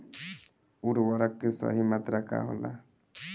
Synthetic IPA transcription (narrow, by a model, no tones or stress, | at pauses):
uɾwaɾakːesa̰ɦimat̪ɾaka̰ɦɔ̰la̰